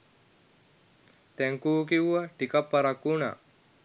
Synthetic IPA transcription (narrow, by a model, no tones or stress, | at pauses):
t̪ɛŋkuːk̬iuʋɐʈikɐpːɐɾɐkːuna̰